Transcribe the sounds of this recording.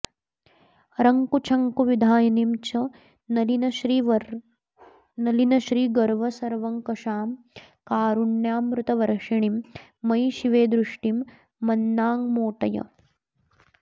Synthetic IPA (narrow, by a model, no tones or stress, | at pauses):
ɾɐŋkut͡ʃʰɐŋkuʋid̪ʱaːjɐnimt͡ʃɐ | nɐlinɐɾi | nɐlinɐʃɾiːɡɐɾʋɐsɐɾʋɐŋkɐʂaːm | kaːɾuɳjaːmɾut̪ɐʋɐɾʂɐɳimːɐjʃiʋeːd̪ɾuʂʈimː | ɐnːaːŋmoːʈɐjɐ̰